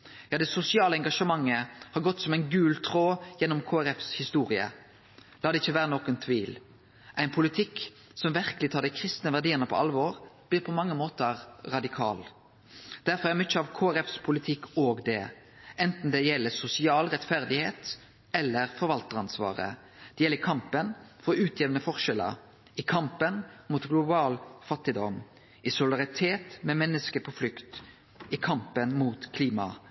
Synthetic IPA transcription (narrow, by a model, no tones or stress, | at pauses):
jɑːd̪ɛsʊsɪɑːləɛŋɡɑʂəmɑŋːəhɑɾɡɔt̪ːsɔmæɪnɡʉːlt̪ʰʁoːjɛnɔmkʰoːæɾɛfshɪst̪uːʁɪə̰ | lɑːd̪ɛɪçːəʋæːɾənoːkənt̪ʰʋiːl | ʔæɪnpʰʊlɪt̪ʰɪk | sɔmʋæʁkəlɪt̪ʰɑːɾd̪æɪkʰɾɪst̪nəʋæʁd̪iːəʁnəpʰɔ̰ʔɑlʋɔːʁb̥lɪːɾpʰɔmɑŋːəmoːt̪əɾɾɑd̪ɪkʰɑ̰ːl | d̪̥æɾfɔɾæmɪt͡ʃːəɑʋkʰoːæɾɛfspʰʊlɪt̪ʰɪkːoːɡd̪ɛ̰ | ʔɛnt̪n̩d̪ɛjɛlːəsʊsɪɑːlɾɛt̪fæɾd̪ɪheːt̪ | ɛlːəɾfɔɾʋɑlt̪əʁɑnsʋɑ̰ːʁə̰ | d̪̥ɛjɛlːəɾkʰɑmpənfɔɾʉːt̪ʰjɛʋənəfɔʁʃɛlə̰ɾ | ɪkʰɑmpənmuːt̪ɡlʊbɑːlfɑt̪ːɪd̪ɔm | ʔɪsʊlɪd̪ɑʁɪt̪ʰeːt̪mɛmɛnːəskəpʰɔflʏkt̪ | ɪkʰɑmpənmuːt̪kʰliːmɑ̰